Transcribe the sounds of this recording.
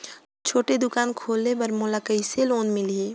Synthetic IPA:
t͡ʃʰoːʈed̪ʊkaːnkʰoːlnepɐɾmoːlakəiseloːnmɪlieː

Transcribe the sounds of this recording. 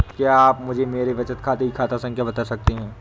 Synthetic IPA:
kjaaːpmʊd͡ʒʱemeːɾeʋɐt͡ʃət̪kʰaːt̪eɦikʰaːt̪asɐ̃ŋkʰjabɐt̪asɐk̚t̪eɦɛ̃ː

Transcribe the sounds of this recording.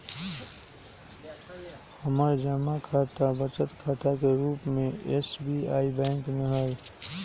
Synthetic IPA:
həməɾd͡ʒəmakʰaːt̪abət͡ʃət̪kʰaːt̪akeɾuːpmẽesbia̰ːibɛ̃ːŋkmẽɦɛj

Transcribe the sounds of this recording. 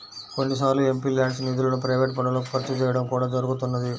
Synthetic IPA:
koɳɖis̬aːɾlue̞mpiːlaːɳɖsniːd̪ulɐnupɾɐjʋeːʈ̚pɐɳːɐloːkipɐɾt̪ːut͡ʃɛːjɐɽɐmkuːɽaːd͡ʒɐɾuɡut̪unːɐd̪i

